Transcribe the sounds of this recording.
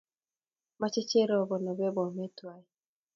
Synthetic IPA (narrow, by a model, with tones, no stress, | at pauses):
ma˦t͡ʃe˦t͡ʃe˦ɾɔ˨bɔ˨nɔ˨bɛ˦bɔ˨me˦twa˨˦i˦